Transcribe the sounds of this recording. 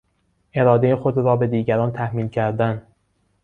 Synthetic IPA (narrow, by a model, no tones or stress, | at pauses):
ʔe̞ɾɒːd̪e̞jexod̪ɾɒːbe̞d̪iːɟæɾɒːnt̪ʰæhmiːlcʰæɾd̪æn